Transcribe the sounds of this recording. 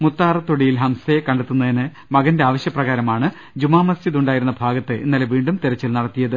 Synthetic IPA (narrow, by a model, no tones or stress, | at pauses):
mut̪ːaːrɐt̪ːoɽijilɦɐmsɐjekːɐɳɖet̪ːunːɐðinɨ | mɐɣɐnde̞aːʋɐɕjɐprɐɣaːɾɐmaːɳɨ | d͡ʑumaːmɐst͡ɕiðuɳɖaːjiɾunːɐbʱaːɡɐt̪ːɨʔinːɐleʋiːɳɖumt̪iɾɐt͡ɕːilnɐɽɐt̪ːijɐðɨ